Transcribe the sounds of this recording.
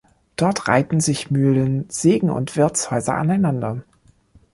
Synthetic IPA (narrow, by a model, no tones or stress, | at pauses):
d̥ɔɐtʁ̥a̰ɪtn̩zɪçmyːlənz̥eːɡŋ̩ʊ̰ntv̥ɪɐt͡shɔʏzɐ̰ʔa̰naɪnandɐ